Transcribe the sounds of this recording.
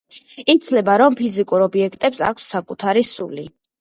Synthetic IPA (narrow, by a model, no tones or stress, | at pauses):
it̪sʰwlɛbaɾɔmpʰizikʼuɾɔbiɛkʰt̪ʼɛpsa̰kʰsːakʼut̪ʰaɾisuli